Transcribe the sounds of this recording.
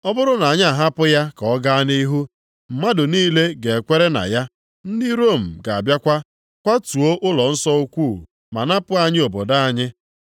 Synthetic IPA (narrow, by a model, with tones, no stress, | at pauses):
ɔ˦bʊ˦ɾʊ˦na˨a˨ɲ˦a˨ɦa˦pʊ˦ja˦kɔ˦ɡa˦ni˦ɦu˦ | m̩˨ma˦dʊ˨niː˦le˦ɡe˨e˨kʷe˦ɾe˦na̰˨ja˦ | n̩˦dɪ˦ɾo˦˨m̩˨ɡa˨a̰˨bja˦kʷa˦ | kʷa˦tu˨o˦ʔʊ˦lɔ˨n̩˦sɔ˦u˦kʷu˦˨ | ma̰˨na˦pʊ˦a˦ɲɪ˦o˨bo˨da˦a˨ɲɪ˦